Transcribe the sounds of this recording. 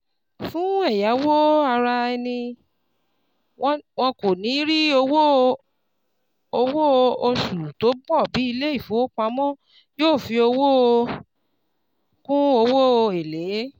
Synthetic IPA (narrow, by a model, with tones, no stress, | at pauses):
fũ˨˦ɛ˦˨ja˨˦wo˦a˧ɾa˧ɛ˧nĩ˧˦ | wɔ̃˧ko˨nĩ˨˦ɾi˦o˧wo˦ | o˧wo˦˧o˧su˨to˨˦bɔ˦˨bi˨˦i˧le˦i˦˨fõ˨˦o˦k͡pa˧˦mɔ̃˦˨ | joː˦˨fi˧o˧wo˦˧ | kũ˦o˧wo˦o˧e˨le˨˦